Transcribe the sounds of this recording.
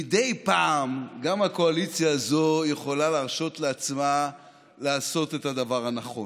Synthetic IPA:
midejpaːmɡamako̞alit͡sjaːzo̞je̞χo̞lalaʁʃo̞tleat͡sma | laːso̞tethadavaʁhanaχo̞̰

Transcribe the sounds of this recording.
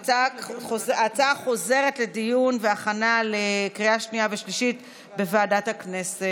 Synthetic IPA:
aoat͡saχo̞ze̞ʁetle̞dijunveaχanalekʁiaʃniaveʃliʃit | be̞vaːdathaknese

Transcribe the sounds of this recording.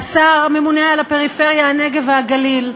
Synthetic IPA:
saʁame̞munealapeʁifeʁjahane̞ɡe̞veaɡalil

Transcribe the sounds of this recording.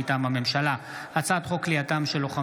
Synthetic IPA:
it̪amame̞mʃala | hat͡sad̪χo̞kliatamʃeloχa

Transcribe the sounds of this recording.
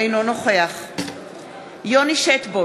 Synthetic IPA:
ejnonoχeaχ | joniʃet̪bo

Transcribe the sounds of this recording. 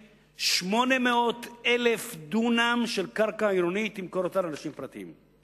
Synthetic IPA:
ʃmo̞nemeo̞t̪elefd̪unamʃelkaʁkaiɾonit̪imkoɾot̪alanaʃimpʁat̪iḭm

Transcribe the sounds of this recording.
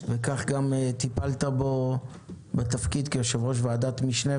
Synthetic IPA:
vekaχɡamet̪ipalt̪abo | bet̪afkid̪kejoʃevʁo̞ʃ̬vead̪at̪miʃne

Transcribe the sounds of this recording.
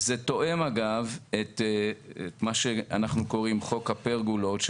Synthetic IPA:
zet̪o̞ʔe̞maɡavet̪eet̪maʃea̰naχnuko̞ʁimχo̞khapeʁɡulo̞t̪ʃ

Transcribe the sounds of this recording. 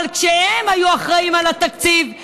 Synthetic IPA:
lkʃehemajuaχʁaimalat̪akt͡siv

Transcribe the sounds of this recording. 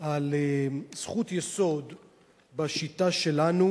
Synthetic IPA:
alez̥χut̪jeso̞d̪ | baʃitaʃe̞lanu

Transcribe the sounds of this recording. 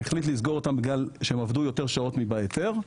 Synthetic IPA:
eχlit̬lizɡo̞ʁot̪ambɡalʃeemavdujo̞t̪e̞ʁʃao̞t̪mibaeteʁ

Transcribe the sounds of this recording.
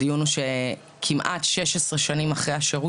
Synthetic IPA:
ijunuʃe | kʰimʔa̰tʃe̞ʃesʁeʃanimaχʁejhaʃeʁu

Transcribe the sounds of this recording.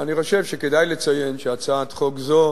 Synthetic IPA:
aniχo̞ʃe̞vʃeke̞d̪ajlet͡saje̞nʃeat͡saːt̪χokzo

